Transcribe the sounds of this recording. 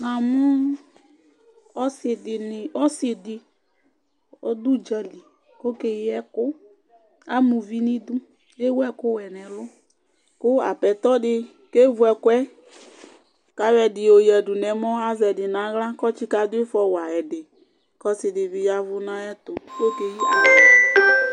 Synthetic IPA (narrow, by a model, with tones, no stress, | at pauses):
na˨mʊ˦ | ɔ˦sɪ˨dɪ˨nɪ˨ɔ˦sɪ˨dɪ˨ | ɔ˦du˦d͡ʒə˨li˨ | ko˦ke˨˦ɛ˦kʊ˦ | a˦mũ˨vi˦nĩ˦d̪u˦ | e˦wɛ˦kʊ˦wɛ˨nɛ˨lʊ˦ | kʊ˦a̰˨pɛ˨t̪ɔ˦dɪ˧ | ke˦vu˨˦ɛ˨˧kʊ˦ɛ˦ | ka˨˦wɛ˨dɪ˨o˨jɛ˨du˨nɛ˨mɔ˦a˦zɛ˨dɪ˨nã˨˦ɣla˦kɔ˦t͡ʃi˦ka˨dʊ˦ɪ˦fɔ˨wa˨ɛ˨dɪ˨ | kɔ˦sɪ˨dɪ˨vi˨ja˨vʊ˦nã˦ɛ˦t̪ʊ˨ko˦ke˨ji˦a˨˦˨